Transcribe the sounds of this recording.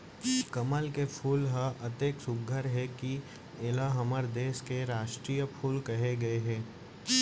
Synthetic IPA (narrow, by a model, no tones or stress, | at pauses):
kɐməlkepʰuːlɦəɐt̪eːksʊbɡʱəɾɦɛki | ɪlaɦɐməɾd̪eːskeɾaːʃʈɾiːjəpʰuːlkɐɦeɡɐeɦɛ̃ː